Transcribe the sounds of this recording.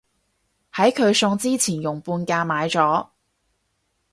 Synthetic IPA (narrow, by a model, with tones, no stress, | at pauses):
hɐ˨˥jkʰɵ˨˧ɥsʊ˧ŋt͡siː˥t͡sʰiː˨˩njʊ˨˩ŋpuː˧nkaː˧maː˨˧jt͡sɔː˨˥